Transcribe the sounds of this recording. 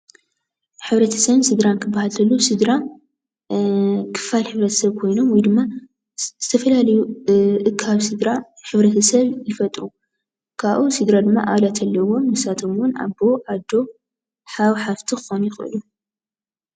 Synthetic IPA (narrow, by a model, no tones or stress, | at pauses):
ħɨβɾɐt̪ʰɐ̥sɐβsɨd̪ɾankʰɨbːahalʰɐlːusɨd̪ɾa | kʰɨ̥falħɨβɾɐt̪ʰɐ̥sɐβkʰo̞jno̞mwɔjd̪ɨmːa | z̥ɨt̪ʰɐfɐlalɐjuʔɨkʰaβsɨd̪ɾaħɨβɾɐt̪ʰɐsɐβjɪfɐt̪ʼɾu | kʰaβʔusɨd̪ɾad̪ɨmːaʔaβlat̪ʰɐlːɐwo̞mɨsat̪ʰo̞mwʊna̰bo̞ʕad̪o̞ | ħaβħaft̪ʰixɨxonjɪxʼʔɨ̰lu